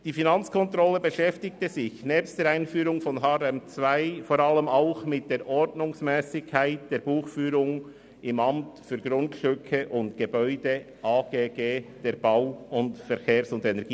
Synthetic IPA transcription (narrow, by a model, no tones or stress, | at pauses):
d̥iːfinɑnt͡skʰɔntɾɔləbəʃɛftɪk̚təzɪçnɛːpstd̥eːɾaɪnfyːɾʊŋfɔnɦɑːɾɛmt͡svaɪfoːɾɑləmaʊxmɪt̚d̥eːɾʔɔɾdnʊŋsmɛːsɪkʰːaɪt̚d̥eːɾb̥uːxfyːɾʊŋ | ɪmɑmtfyːɾɡɾʊndʃʏkʰəʔʊntɡ̥ebœʏd̥ə | ʔaːɡ̥eːɡeːd̥eːɾb̥aʊʊntfɛɾkʰeːɾsʊndɛnɛɾɡiː